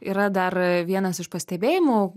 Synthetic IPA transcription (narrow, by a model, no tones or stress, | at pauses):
ḭːɾɐd̪ɐrʋʲiɛnɐsɪʃpɐsʲt̪ʲɛbʲeːjɪmoː